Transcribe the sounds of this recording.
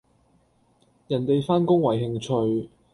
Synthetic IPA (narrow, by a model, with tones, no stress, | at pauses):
jɐ˨˩nt̪e˨jfaː˥nkʊ˥ŋwɐ˨˩jɦɪ˨˧ŋt͡ʃʰɵ˧ɥ